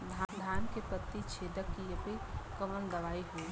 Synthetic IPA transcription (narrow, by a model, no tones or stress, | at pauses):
d̪ʱad̪ʱaːnkepət̪ːit͡ʃʰeːd̪əkːijəpikəmənd̪ɐʋaːiɦo